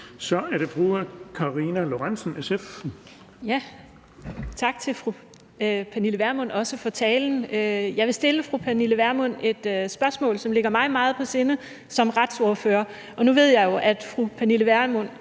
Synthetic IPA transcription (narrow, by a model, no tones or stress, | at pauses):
sɒ̽æɐɾ̥e̝fʁuːɐkʰɑ̈ʁinælo̝ʁansən̩esef | jæ | t͡sʰɑ̈ɡ̥̚t͡sʰe̝lfʁu | pʰæniləʋæɐmɔ̽n̰ɒ̽səfɒ̽t͡sʰɛːln̩øjɑ̈ɪʋe̝sd̥e̝ləfʁupʰæniləʋæɐmɔn̰e̝d̥øsb̥ɶɐsmɔ̰̽ːlsɒ̽mle̝ɡ̥ɐmɑ̈ɪmɑ̈ːð̩ˠpʰɒ̽se̝nə | sɒ̽mʁɑ̈d̥soɐfø̰ːɐ | ʔɒ̽nuʋe̝ð̞̰ˠjɑ̈ɪjo̝ʔæd̥fʁupʰæniləʋæɐmɔn̰